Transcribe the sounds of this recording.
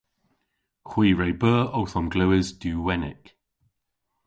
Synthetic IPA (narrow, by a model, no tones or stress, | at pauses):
xw̥iːɹejbəːowθɔmɡləwɪzd̥ʉːwɛnɪ̰k